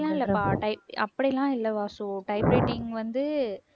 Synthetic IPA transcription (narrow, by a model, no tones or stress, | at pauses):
lãːɪlːɐpaːʈɐɪp̚ʔɐ̰pːɐɽilãːɪlːɐʋaːsõʈɐɪpɾeːʈːɪŋɡʋɐnd̪ɯ